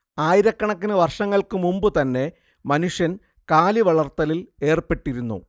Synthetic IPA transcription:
aːjiɾɐkːɐɳɐkːinɨʋɐrʂɐŋːɐɭkɨmumbɨt̪ɐnːe̞ | mɐnuʂjɐn | kaːliʋɐɭɐrt̪ːɐlile̞ːrpe̞ʈːiɾunːṵ

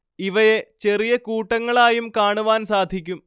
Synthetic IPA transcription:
iʋɐjet͡ɕe̞rijɐkuːʈːɐŋːɐɭaːjumkaːɳuʋaːnsaːd̪ʱikʲːum

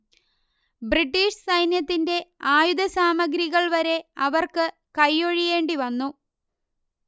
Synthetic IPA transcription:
briʈːiːʂsɐjnjɐt̪ːinde̞aːjud̪ɐsaːmɐɡɾiɣɐɭʋɐɾe̞ɐʋɐrkɨ | kɐjːo̞ɻije̞ːɳɖiʋɐnːu

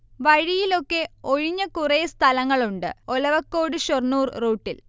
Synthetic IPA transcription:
ʋɐɻijilo̞kːe̞oɻiɲːɐkurejst̪ʰɐlɐŋːɐɭuɳɖɨ̰olɐʋɐkːo̞ːɽɨɕornuːrroːʈːil

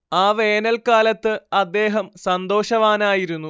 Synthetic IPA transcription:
aːʋe̞ːnɐlkaːlɐt̪ːɨɐd̪ːe̞ːɦɐmsɐnd̪o̞ːɕɐʋaːnaːjiɾunːu

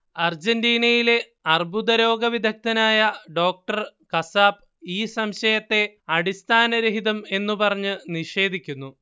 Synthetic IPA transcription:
ɐrd͡ʑendiːnɐjile̞ | ɐrbud̪ɐɾo̞ːɡɐʋid̪ʱɐk̚t̪ɐnaːjɐɖo̞ːk̚ʈɐr | kɐsaːb | iːsɐmɕɐjɐt̪ːe̞ɐɽist̪ʰaːnɐɾeɦiðɐme̞nːupɐrɐɲːɨniʂe̞ːd̪ʱikʲːunːu

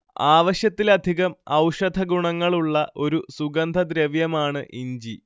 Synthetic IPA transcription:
aːʋɐɕjɐt̪ːilɐd̪ʱiɣɐmɐwʂɐd̪ʱɐɡuɳɐŋːɐɭuɭːɐʔo̞ɾusuɡɐnd̪ʱɐd̪ɾeʋjɐmaːɳɨʔiɲd͡ʑi

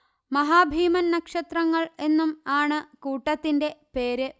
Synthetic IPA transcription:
mɐɦaːbʱiːmɐnːɐkʂɐt̪rɐŋːɐɭe̞nːumaːɳɨkuːʈːɐt̪ːinde̞pe̞ːɾɨ

